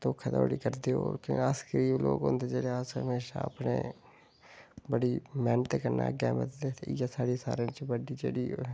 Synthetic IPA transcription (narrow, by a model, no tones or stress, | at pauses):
t̪oːkʰːət̪a̰oɽiːkəɾd̪eːokɪaskəɾiːblo̰ːɡɦõ̰ːnd̪eːd͡ʒeːɽeːasɦəmeːʃa̰ːpnḛː | bəɽiːmɛːnt̪ekəɾna̰ːɡɛːmət̪d̪et̪jasaːɽeːsa̰ːɾeːt͡ʃbəɖiːd͡ʒḛːɽiː